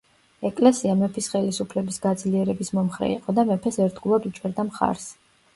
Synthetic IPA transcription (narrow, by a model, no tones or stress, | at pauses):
ɛkʼlɛsiamɛpʰisχɛlisupʰlɛbisɡad̪zliɛɾɛbismɔmχɾɛ̰ḭqʼɔd̪amɛpʰɛsɛɾt̪ɡulˠad̪ut͡ʃʼɛɾd̪amχa̰ɾs